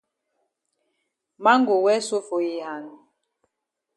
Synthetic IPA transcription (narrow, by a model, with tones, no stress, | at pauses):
ma˦ŋɡo˨wɛ˦so˦fo˨ji˨ha˨n˨